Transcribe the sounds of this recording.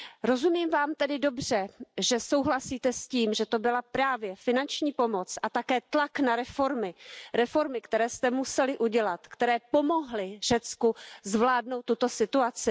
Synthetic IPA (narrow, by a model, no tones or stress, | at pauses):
ɾo̞zumiːmvaːmt̪ɛdɪdo̞br̝̥ɛʒɛso̞wɦlasiːt̪ɛsciːmʒɛt̪o̞bɪlapɾaːvjɛfɪnant͡ʃɲiːpo̞mo̞t͡sʔat̪akɛːt̪laknaɾɛfo̞ɾmɪɾɛfo̞ɾmɪkt̪ɛɾɛːst̪ɛmusɛlɪʔuɟɛlat̪kt̪ɛɾɛːpo̞mo̞ɦlɪʒ̥ɛt͡skuzvlaːdno̞wt̪ːut̪o̞sɪt̪uat͡sɪ